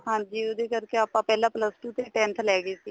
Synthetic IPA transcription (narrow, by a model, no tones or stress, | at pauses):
hãːɲd͡ʒiːoːd̪eːkəɾkeaːpãːpɛːlãːpləsʈuːt̪eːʈɛ̃ːnt̪ʰlɛːɡiːsiː